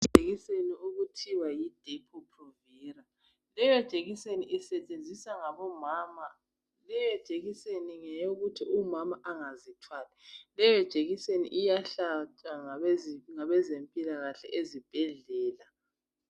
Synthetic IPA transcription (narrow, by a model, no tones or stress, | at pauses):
d̥ʒʱeɣiseniuɣutʰiwajid̥ʱepʰupʰrɔvɛra | lɛjɔd̥ʒ̥ʱeɣiseniʔisɛt͡ʃʼend͡zʱisaŋaβɔmaːma | lɛjɔd̥ʒ̥ʱeɣiseniŋɛjoɣutʰiʔumamaʔaŋazitʰwaːlɛlɛjɔd̥ʒ̥ʱeɣisenḭʔijaɬat͡ʃʼaŋaŋaβɛzempʼilaɣaɬɛ̰ʔezib̥ʱɛɮɛːla